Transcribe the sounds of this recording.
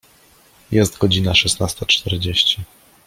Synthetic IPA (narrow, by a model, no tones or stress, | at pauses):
jɛst̪ɡɔd͡ʑinaʂɛsnast̪at͡ʂt̪ɛɾd͡ʑeɕt͡ɕi